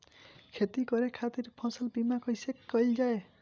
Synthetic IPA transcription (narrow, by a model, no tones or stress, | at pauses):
kʰet̪ikɔɾekʰat̪iɾpʰɔ̃sɔlbimakɔjsekːɔjld͡ʒae